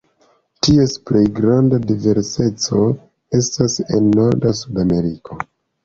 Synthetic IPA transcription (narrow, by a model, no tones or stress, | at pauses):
tie̞sple̞jɡɾandadive̞ɾse̞t͡so̞ | e̞stase̞̰nːo̞ɾdasudame̞ɾikʰo̞